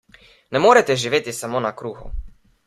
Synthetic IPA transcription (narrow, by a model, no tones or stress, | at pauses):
nɛmoːɾɛt̪ɛʒiʋeːt̪isamoːnakɾuːɣṵ